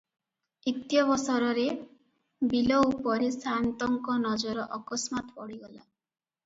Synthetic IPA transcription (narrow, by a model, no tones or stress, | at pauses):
it̪jɔβɔsɔɾɔɾe | bilɔupɔɾesant̪ɔŋkɔnɔd͡ʒɔɾɔʔɔkɔsmat̪pɔɽ̤iɡɔla